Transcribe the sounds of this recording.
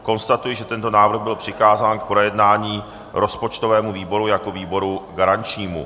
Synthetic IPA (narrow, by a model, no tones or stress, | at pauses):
ko̞nst̪at̪ujɪʒɛt̪ɛnt̪o̞naːvɾr̩ɣbɪlpr̝̥ɪkaːzaːnk̚pɾojɛdnaːɲiː | ɾʔo̞spot͡ʃt̪o̞vɛːmuviːbo̞ɾujakoviːbo̞ɾuɡaɾaɲt͡ʃɲiːmṵ